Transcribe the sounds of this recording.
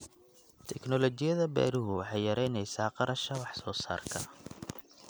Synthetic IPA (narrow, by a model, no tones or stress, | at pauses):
t̪ʰɛknɔlɔt͡ʃɪjɐðɐbɛ̰ːɾʊɦʊwɑħɑjjɐɾɛjnɛjsaːqɑɾɐʃɐwɑħsɔːsa̰ːrkʰɐ̰